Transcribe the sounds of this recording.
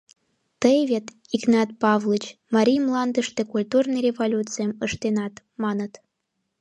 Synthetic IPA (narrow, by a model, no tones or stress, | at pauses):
t̪əjβʲet̪ | iɡnɑt̪̚pɑvlˠɨt͡ɕmɑɾʲijmlˠɑnd̪əʃt̪ĕkulʲt̪urnɨjrʲevolʲut͡sɨjəməʃt̪enɑt̪ | mɑnə̆t̪